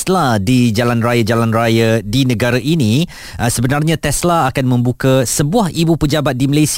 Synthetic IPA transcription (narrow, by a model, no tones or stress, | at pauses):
sladid͡ʒalanrajad͡ʒalanrajadinə̃ɡaɾaʔinĩ | ʔsəbənarɲãt̪ɛslaakanmə̃mbukasəbuahʔibupəd͡ʒabat̪̚diməlas